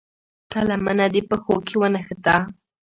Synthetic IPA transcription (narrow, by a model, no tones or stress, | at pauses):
talamanad̪ɪpaxokɪwanaxat̪aː